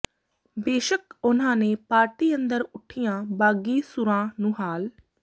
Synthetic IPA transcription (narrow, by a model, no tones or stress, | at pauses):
beːʃəkʊnãːneːpaːɾʈiːənd̪əɾʊʈʰɪjãːbaːɡiːsʊɾãːnũːɦaːl